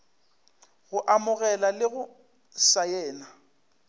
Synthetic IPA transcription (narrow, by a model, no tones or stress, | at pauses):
ɣʊʔamʊɣɛlalɪɣʊ | sajɛːna